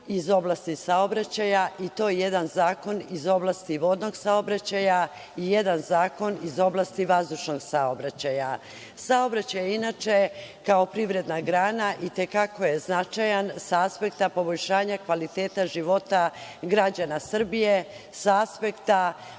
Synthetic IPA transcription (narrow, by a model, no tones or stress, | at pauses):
izo̞blˠast̪isao̞bɾat͡ɕajaʔit̪o̞ːjeje̞d̪anzaːko̞nizo̞blˠast̪iʋo̞d̪no̞ɡsao̞bɾat͡ɕaja | ije̞d̪anzaːko̞nizo̞blast̪iʋazd̪uʃno̞ɡsaobɾat͡ɕaja | sao̞bɾat͡ɕajeinat͡ʃe̞kao̞pɾiʋɾe̞d̪naɡɾaːnaʔit̪e̞kako̞jeznat͡ʃajansaaspe̞kt̪apo̞boʎʃaːɲakʋalit̪eːt̪aʒiʋo̞t̪aɡɾad͡ʑanasr̩bije | saaspe̞kt̪a